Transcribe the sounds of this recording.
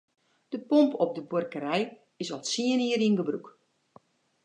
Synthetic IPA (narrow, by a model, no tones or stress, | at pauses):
d̥əpompɔp̚dəbʊrkəɾɛj | ɪsɔlˠtsiəniəɾinɡəbruk